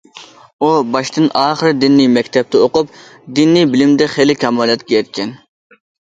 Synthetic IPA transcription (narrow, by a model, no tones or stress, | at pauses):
ubɑʃt̪ɨnɑːχəɾɨd̪ɪnːijmɛkʲt̪ʰɛp̚t̪ʰɛoqʊp̚d̪inːijbɪlɪmd̪ɛχelɪkʲʰɑmɑːlˠɛt̪ɡʲejɛt̪̚kʲʰɛn